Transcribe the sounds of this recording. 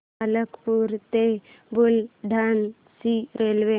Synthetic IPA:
aləkpuɾt̪e | bʊlɖʱan | siɾelʋe

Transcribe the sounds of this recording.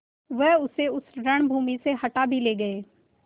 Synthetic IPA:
ʋɐɦʊseʊsɾɐɽ̃bʱuːmiseɦɐʈabʱileːɡɐeː

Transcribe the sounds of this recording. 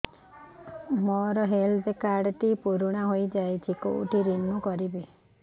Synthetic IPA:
mɔɾɔɦelt̪ekaɽt̪ipuɾuɽ̃aɦojd͡ʒajt͡ʃʰikṵʈiɾinmukɔɾibi

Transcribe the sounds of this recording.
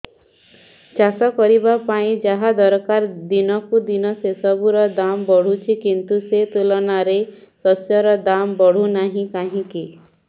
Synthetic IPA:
t͡ʃasɔkɔɾibapaĩd͡ʒaɦad̪ɔɾkaɾd̪inɔkud̪inɔsesɔbuɾɔd̪ambɔɽ̤ut͡ʃʰikint̪uset̪ulɔnaɾesɔsjɔɾɔd̪ambɔɽ̤unaɦĩkaɦĩki

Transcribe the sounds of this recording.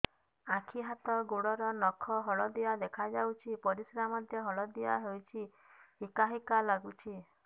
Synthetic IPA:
akʰiɦat̪ɔɡoɽɔɾɔnɔkʰɔɦɔɭɔd̪iad̪ekʰad͡ʒawt͡ʃʰipɔɾisɾamɔd̪ʱjɔɦɔɭɔd̪ia̰ɦewt͡ʃʰi | hikaɦikalaɡut͡ʃʰi

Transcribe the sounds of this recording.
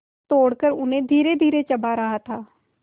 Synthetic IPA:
t̪oːɽkəɾʊnẽːd̪ʱiːɾed̪ʱiːɾet͡ʃəbaɾəɦat̪ʰaː

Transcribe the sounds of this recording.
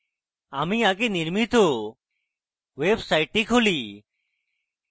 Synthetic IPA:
aːmĩːaːkeːnɪɾmit̪oː | ʋeːbsaːɪʈːiːkʰoːliː

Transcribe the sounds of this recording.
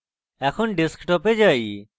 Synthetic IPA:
ɛkʰɔnɖiskʈɔped͡ʒaj

